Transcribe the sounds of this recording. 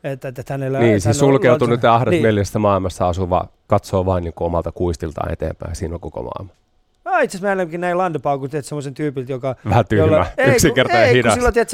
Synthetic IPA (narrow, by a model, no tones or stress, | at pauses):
et̪ːæt̪ːæt̪ænelːæniːsesulkeut̪unytt̪jɑɑhɾet̪ːmelːesest̪æmɑilmɑst̪ɑɑsuʋɑ̰ː | kɑt̪soːʋɑiniːŋkuomɑlt̪ɑkuist̪ilt̪ɑ̰ːnḛt̪ḛːmpæ̰isiːnoŋkoko̰mɑ̰ˑilmɑ | ɑit̪sesmæelemkinæilɑnd̪epɑukut̪iet̪semːosent̪yːpilt̪jokɑʋæhæt̪yolːmæeyksiŋkert̪ɑhidɑsilːot̪iet̪